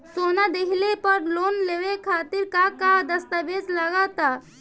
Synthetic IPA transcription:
soːnad̪eklepəɾlonleʋekʰaːt̪iɾkakad̪əst̪əbed͡ʒlaɡat̪a

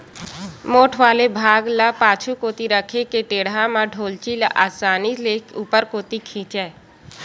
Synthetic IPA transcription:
moːʈʰʋaːlebʱaːɡləpaːt͡ʃʰukoːt̪iɾəkʰekeʈeːɽamaɖʱoːlt͡ʃilaʔaːsaːnilekuːpəɾkoːt̪ikʰĩːt͡ʃɛː

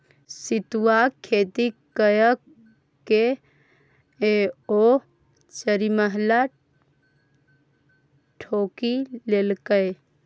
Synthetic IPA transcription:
sit̪uwakʰːet̪ikəjək | kːe | o | t͡ʃəɾiməɦla | ʈʰoːkilelkəj

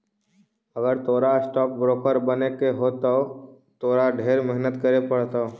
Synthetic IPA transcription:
ɐɡəɾt̪oːɾasʈɔːk̚bɾoːkəɾbɐnekeɦoːt̪oo | t̪oːɾaɖʱeːɾmɛɦnət̪kɐɾepɐɽt̪ao

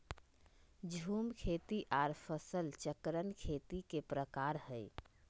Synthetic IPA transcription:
d͡ʒʱumkʰet̪iʔaɾpʰəsəlt͡ʃəkɾənkʰet̪ikepɾəkaɾɦəj

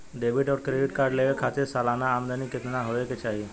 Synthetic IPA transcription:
ɖebiʈɔːɾkɾeɖɪʈkaɾɖleʋəkʰat̪ɪɾsalanaːmd̪anikɪt̪naɦoeket͡ʃaːɦi

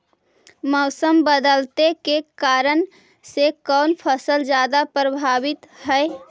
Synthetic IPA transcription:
mɔʊsəmbəd̪əlt̪ekekaːɾən | sekɔːnpʰəsəld͡ʒjaːd̪apɾəbʱaːʋɪt̪ɦɛe

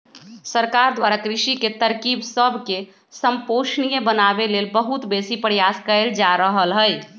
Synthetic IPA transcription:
səɾkaɾd̪waɾakɾiʃiket̪əɾkibsəbʱke | səmpoʃnijebənabelelbəɦut̪besipɾjaskəld͡ʒaɾəɦəlɦəj

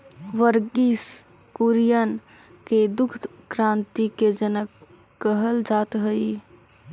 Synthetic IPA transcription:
ʋəɾɡis | kuɾjən | ked̪uk̪ʰkɾãnt̪iked͡ʒənəkː | əɦəld͡ʒat̪ɦəi

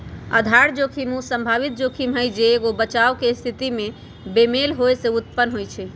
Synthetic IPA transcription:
ə̰d̪ʱaɾd͡ʒokʰimũsəmbʱaβit̪̚d͡ʒokʰimɦəjd͡ʒeːɡobət͡ʃawkest̪ʰit̪ime | bemelɦoeseut̪̚pənːɦojt͡ʃʰɛ

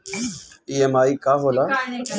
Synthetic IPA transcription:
ieːmaːiːkaːɦoːlaː

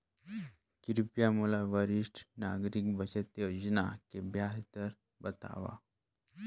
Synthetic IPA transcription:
kiɾpjamulaʋəɾiʂʈʰnaɡɾik̚bʱət͡ɕet̪jod͡ʑnakebʱjast̪əɾ | bət̪a̰ʋa̰

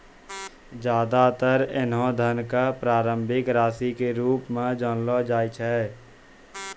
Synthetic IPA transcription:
d͡ʒjaːd̪at̪əɾɪnɦõd̪ʱənkapɾaːɾə̃mbʱɪkɾaːsikeɾuːpmãd͡ʒɔːnlod͡ʒaːit͡ʃʰɛː

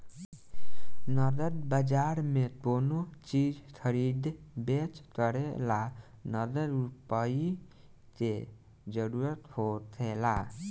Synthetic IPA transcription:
nʌɾd̪əɾbəd͡ʒaɾmet̪onot͡ʃid͡ʒkʰəɾid̪ʱbet͡ʃkʌɾela | nʌɾd̪əɾupai | ke | d͡ʒəɾuɾət̪hot̪ʰela

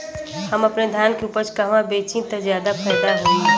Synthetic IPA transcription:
həməpned̪ʱjaːnkeuːpəɾt͡ʃkəɦmãbeːt͡ʃĩt̪əzjaːd̪apʰɛːɪd̪aɦo

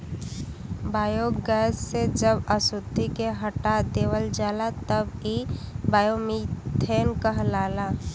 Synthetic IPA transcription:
baːjoɡɛːsːed͡ʒəbəsut̪ːikeɦəʈad̪eːʋəld͡ʒaːlat̪əbibaːjomit̪ʰeːnkəɦlaːlaː

